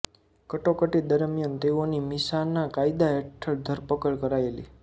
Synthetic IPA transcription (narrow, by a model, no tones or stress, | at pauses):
kəʈokəʈid̪əɾmjant̪eonimɪsanːakaid̪aɛʈʰəɭd̪ʱəɾpəkəɭkəɾaelḭ